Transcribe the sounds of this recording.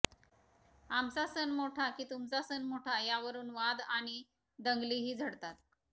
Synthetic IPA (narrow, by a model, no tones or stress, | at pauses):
amt͡sasənmoʈʰakiːt̪umt͡sasənmoʈʰajaʋəɾuːnʋad̪aɽ̃i | d̪əŋɡliːɦiːd͡zʱəɽt̪at̪